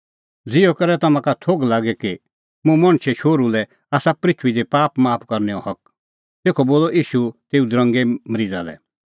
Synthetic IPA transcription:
d͡zɪɔkɐɾɛt̪ɐmãkat̪ʰoːɡlaːɡɛki | mũmɐ̃ɽ̃t͡ʃʰeʃoːɾulɛ | aːsapɾɪt͡ʃʰʋid̪epaːpmaːpʰkɐɾnɛɔ̰hɐk̚ | t̪eːkʰɔboːlɔʔiːʃut̪eːud̪ɾɐ̃ŋɡeməɾid͡za̰lɛ̰

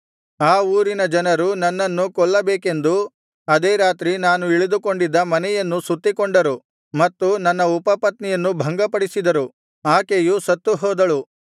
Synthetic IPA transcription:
aːuːɾinɐd͡ʒɐnɐɾunɐnːɐnːukɔɭːɐbeːke̞nd̪u | ɐd̪eːɾaːt̪ɾinaːnuiɭid̪uko̞ɳɖid̪ːɐmɐnɛjɐnːusut̪ːikoɳɖɐɾu | mɐt̪ːunɐnːɐupɐpɐt̪nɛjɐnːubʱɐŋɡɐpɐɽisid̪ɐɾu | aːkejusɐt̪ːuɦɔːd̪ɐɭu

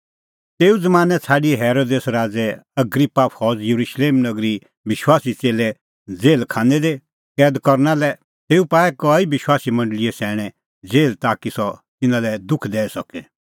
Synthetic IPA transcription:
t̪eːud͡zɐmaːnɛt͡sʰaːɖiɛɦɛːɾoːd̪eːsɾaːd͡zɛɐɡɾɪpːapʰɔːd͡zjɐɾuʃleːmnɐɡɾi | bɪʃwaːsit͡seːlɛ | d͡zeːlkʰãːnɛd̪e | kɛːd̪kɔɾnalɛ | t̪eːupaːɛkɔibɪʃwaːsimɐ̃ɳɖəlɪɛsɛːɽ̃ɛ̃ | d͡zeːlt̪aːkisɔt̪ɪnãlɛd̪ʊkʰd̪ɛːɛsɔkɛ

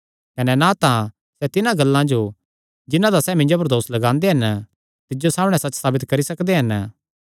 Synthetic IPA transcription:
kɐnɛnat̪ã | sɛt̪ɪnãɡɐlːãd͡ʒo | d͡ʒɪnãd̪asɛːmɪ̃ɲd͡ʒopɐɾd̪oːslɐɡãːnd̪eɦɐn | t̪ɪd͡ʒosaːmɽ̃ɛsɐt͡ʃsaːbɪt̪kɐɾisɐkd̪eɦɐn

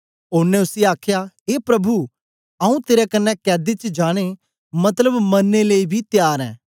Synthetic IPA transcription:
ʊnẽʊsiaːkʰja | eːpɾɐbʱu | ɐũt̪eːɾɛkɐnːɛkɛːd̪et͡ʃd͡ʒaːɽ̃e | mɐt̪ləbmɐnːeleibʱit̪jaːɾɛ̰̃ː

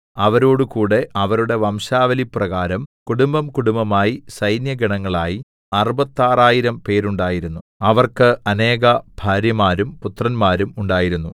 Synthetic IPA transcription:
ɐʋɐɾo̞ːɽukuːɽe̞ʔɐʋɐɾuɽe̞ʋɐmɕaːʋɐliprɐɣaːɾɐmkuɽumbɐmkuɽumbɐmaːjisɐjnjɐɡiɳɐŋːɐɭaːji | ɐrɨbɐt̪ːaːraːjiɾɐmpe̞ːɾuɳɖaːjiɾunːuɐʋɐrkɨɐne̞ːɣɐb̥ʱaːɾjɐmaːɾumput̪rɐnmaːɾumuɳɖaːjiɾunːu

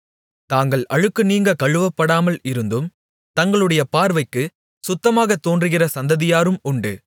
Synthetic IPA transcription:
t̪aːŋɡɐɭɐɻɯkːɯniːŋɡɐkɐɻɯʋɐpːɐɽaːmɐlɪɾɯnd̪ɯm | t̪ɐŋɡɐɭɯɽɐjɐpaːɾʋɐɪkːɯ | sʊt̪ːɐmaːɣɐt̪ːoːndrɯɣɪrɐsɐnd̪ɐðɪjaːɾɯmʊɳɖɯ̰

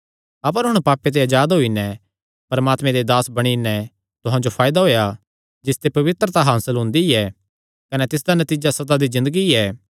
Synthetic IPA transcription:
ɐp̬əɾɦʊ̃ɽ̃paːpet̪̬eɐd͡ʒaːd̪ɦoːinɛ | pɐɾmaːt̪mẽd̪ed̪aːsbɐɽ̃inɛ | t̪ʊɦãd͡ʒopʰaːjd̪aɦoːja | d͡ʒɪst̪epɐʋɪt̪ɾət̪aɦaːsəlɦʊ̃nd̪iɛː | kɐnɛt̪ɪs̬d̪anɐt̪iːd͡ʒasɐt̪ad̪izɪ̃nd̪əɡiɛː

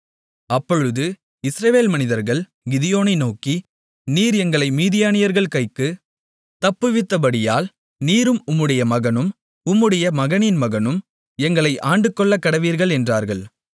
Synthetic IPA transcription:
ɐpːɔɻɯðɯ | ɪsɾɐʋeːlmɐnɪðɐɾɣɐɭ | ɡɪðɪjoːnɐɪnoːki | niːɾɛŋɡɐɭɐɪmiːðɪjaːnɪjɐɾɣɐɭkɐɪkːɯ | t̪ɐpːɯʋɪt̪ːɐpɐɽɪjaːl | niːɾɯmʊmːɯɽɐjɐmɐɣɐnɯm | ʊmːɯɽɐjɐmɐɣɐnɪnmɐɣɐnɯm | ɛŋɡɐɭɐɪʔaːɳɖɯkːɔɭːɐkːɐɽɐʋiːɾɣɐɭɛndraːɾɣɐɭ

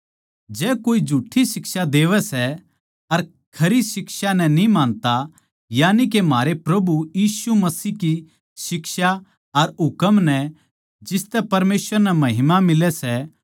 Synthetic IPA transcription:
d͡ʒɛːkoːid͡ʒʱuːʈʰːisɪksad̪eːʋɛsɛ | ɐɾ | kʰɐɾisɪksanɛ̃nĩmãːnt̪a | jaːnik̬emaːɾepɾɐbujiːsumɐsiːki | sɪkʃa | ɐɾɦʊkəmnɛ | d͡ʒɪst̪ɛpɐɾmeːsʋəɾnɛmɐɦɪmamɪlɛsɛ

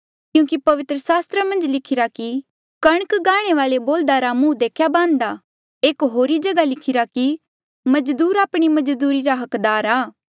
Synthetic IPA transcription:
kjũːkipɐʋɪt̪ɾəsaːst̪ɾəmɐ̃nd͡ʒlɪkʰɪɾaki | kɐɽ̃əkɡaːɽ̃eʋaːleboːld̪aɾamũd̪eːkʰjabãːnd̪a | eːkɦoːɾid͡ʒɐɡalɪkʰɪɾaki | mɐd͡ʒd̪uːɾaːpɽ̃imɐd͡ʒd̪uːɾiɾaɦɐkd̪aːɾaː

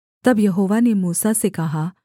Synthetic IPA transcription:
t̪ɐbjɐɦoːʋanemuːsasekɐɦaː

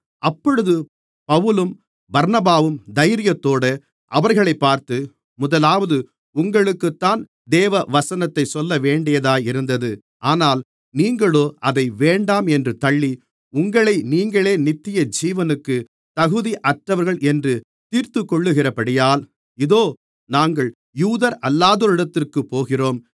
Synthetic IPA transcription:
ʔɐpːɔɽɯðɯ | pɐʋɯlɯm | bɐɾnɐbaːʋɯmd̪ɐjɾɪjɐt̪ːoːɽɐ | ʔɐʋɐɾɣɐɭɐɪpːaːɾt̪ɯ | mʊðɐlaːʋɐðɯ | ʊŋɡɐɭɯkːɯt̪ːaːn | d̪eːʋɐʋɐsɐnɐt̪ːɐɪsɔlːɐʋeːɳɖɪjɐðaːjɪɾɯnd̪ɐðɯ | ʔaːnaːl | niːŋɡɐɭoːʔɐðɐɪʋeːɳɖaːmɛndrɯt̪ɐɭːi | ʊŋɡɐɭɐɪniːŋɡɐɭeːnɪt̪ːɪjɐd͡ʒiːʋɐnɯkːɯ | t̪ɐɣɯðiʔɐʈrɐʋɐɾɣɐɭʔɛndrɯ | t̪iːɾt̪ɯkːɔɭːɯɣɪrɐpɐɽɪjaːl | ɪðoː | naːŋɡɐɭ | juːðɐɾɐlːaːðoːɾɪɽɐt̪ːɪrkɯpːoːɣɪroːm

